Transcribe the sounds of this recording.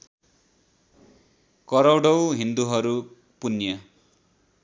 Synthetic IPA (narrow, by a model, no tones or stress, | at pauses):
kʌɾʌwɽʌwɦind̪uɦʌɾu | punjʌ